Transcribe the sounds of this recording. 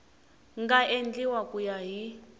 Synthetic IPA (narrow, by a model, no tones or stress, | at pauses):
ŋɡaʔend͡ɮiwakujaɦi